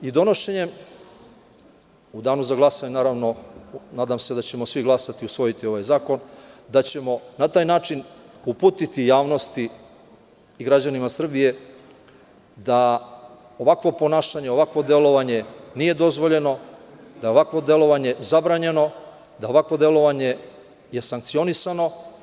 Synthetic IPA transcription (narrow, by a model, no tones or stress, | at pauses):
id̪o̞no̞ʃeɲe̞m | ud̪aːnuzaɡlˠasaɲnaːɾaʋno̞naːd̪amse̞d̪at͡ɕe̞mo̞sʋiɡlˠasat̪iusʋo̞jit̪io̞ʋajzaːko̞nd̪at͡ɕe̞mo̞nat̪aːjnaːt͡ʃinupuːt̪it̪ijaːʋno̞st̪i | ɡɾad͡ʑanimasr̩bije̞ | d̪a | oʋakʋo̞po̞naːʃaɲe̞o̞ʋakʋo̞d̪e̞lo̞ʋaɲe̞nije̞d̪o̞zʋo̞ʎe̞no̞d̪ao̞ʋakʋo̞d̪e̞lo̞ʋaɲe̞zabɾaːɲe̞no̞ | d̪ao̞ʋakʋo̞d̪elo̞ʋaɲe̞ | je̞saŋkt̪sio̞nisano̞